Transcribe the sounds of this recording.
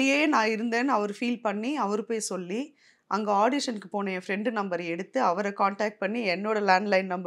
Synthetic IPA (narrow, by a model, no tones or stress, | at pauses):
ɪjeːnãːɪɾɯnd̪eːnɯɐʋɐɾɯfiːlpɐɳːiɐʋɐɾɯpoːjsɔlːi | ʔɐŋɡɐaːɽɪʂɐnkɯpoːnɐjɐfɾɛɳɖɯnɐmbɐɾɐɛɽɯt̪ːɯɐʋɐɾɐkaːɳʈaːk̚ʈ̚pɐɳːiɛnːoːɽɐlaːɳɖlɐɪnnɐmb